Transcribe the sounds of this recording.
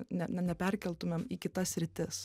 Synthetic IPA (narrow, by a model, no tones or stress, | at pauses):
nʲɛnʲɛnʲɛpʲɛɾʲkʲɛlʲˠt̪ʊmʲemiːkʲɪt̪ɐssʲɾʲɪt̪ʲɪs